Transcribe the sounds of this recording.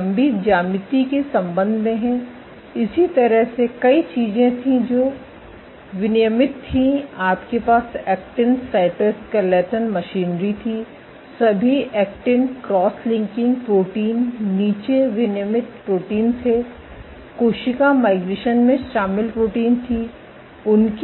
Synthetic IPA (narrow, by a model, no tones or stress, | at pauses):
mbid͡ʒaːmɪt̪ikesɐ̃mbə̃nd̪ʱmẽɦɛ̃ | ɪsit̪ɐɾəɦsekɐit͡ʃiːzẽt̪ʰĩd͡ʒoː | ʋɪnɪjəmɪt̪ʰːĩaːpkepaːsɛːk̚ʈɪ̃ɳsaːɪʈəɾskalɛːʈənmɐʃiːnɾit̪ʰi | sɐbʱiɛːkʈɪ̃nkɾɔːslɪ̃ŋkɪ̃ŋɡ̚pɾoːʈiːnːiːt͡ʃeʋɪnɪjəmɪt̪pɾoːʈiːnsʰe | koːʃɪkamaːɪɡɾeːʃənmẽʃaːmɪlpɾoːʈiːnt̪ʰi | ʊnk